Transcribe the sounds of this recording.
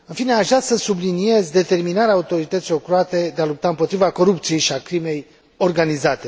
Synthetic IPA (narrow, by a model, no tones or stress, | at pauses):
ɨnfine̞aʒɾat̪səsublinije̞zd̪e̞t̪e̞rminaɾeaut̪o̞ɾit̪ət̪silokɾuat̪e̞d̪e̞alup̚t̪aɨmpo̞t̪ɾivako̞ɾupt̪sije̞jʃiakɾime̞j | o̞rɡanizat̪e̞